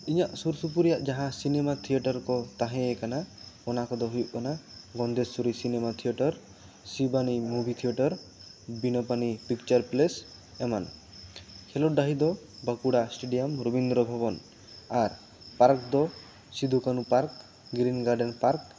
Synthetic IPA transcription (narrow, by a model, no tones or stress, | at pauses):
iɲaʔsuɾsup̬uɾijaʔd͡ʒaɦãsinemat̪ʰieʈɔɾkɔt̪aɦɛ̃ɛkanaɔnakɔd̪ɔɦujuʔkɔnaɡɔnd̪essuɾisinemat̪ʰijɔʈɔɾ | sibanimubʱit̪ʰiɔʈɔɾbinɔpanipik̚t͡ʃɔɾples | ɛman | kʰɛlɔɖaɦid̪ɔ | bəkuɽasʈeɖijɔmɾobind̪ɾɔbʱabɔn | aɾ | paɾkd̪ɔ | sid̪ʱukanupaɾk̚ | ɡɾinɡaɾɖɛnpaɾk